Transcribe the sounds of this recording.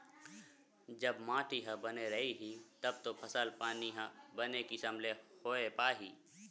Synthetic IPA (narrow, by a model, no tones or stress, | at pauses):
d͡ʒɐbmãːʈʰiɦɐ̃bɐneɾɐɦiɦit̪ɐb̚t̪opʰɐsəlpaːniɦɐ̃bɐnekisɐmlehoːepaːɦiː